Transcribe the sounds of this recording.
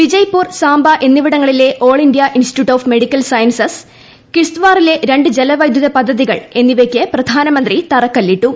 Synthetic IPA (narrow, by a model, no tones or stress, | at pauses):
ʋid͡ʑɐjpːuːrsaːmbɐʔe̞nːiʋiɽɐŋːɐɭile̞ʔo̞ːɭindjɐʔinsi̥ʈjuʈːoːfme̞ɽikʲːɐlsɐjɐnsɐs | kiʂt̪ʋaːrile̞ɾe̞ɳɖɨd͡ʑe̞lɐʋɐjd̪ʱjuðɐpɐd̪ʱːɐðiɣɐ̰ɭe̞nːiʋekʲːɨprɐd̪ʱaːnɐmɐnd̪rit̪ɐrɐkːɐlːiʈːu